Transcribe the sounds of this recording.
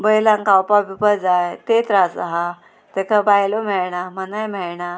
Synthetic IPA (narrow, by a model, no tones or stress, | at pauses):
bəjlãŋkawpabipəɾd͡zajt̪et̪ɾasaɦa | t̪ekʰabajlom̤ɛɭɳamənajmɛɭɳa